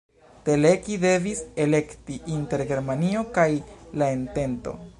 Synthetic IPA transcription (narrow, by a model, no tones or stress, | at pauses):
te̞le̞kide̞vise̞le̞ktiʔinte̞ɾɡe̞ɾmanio̞kajlae̞nte̞nto̞̰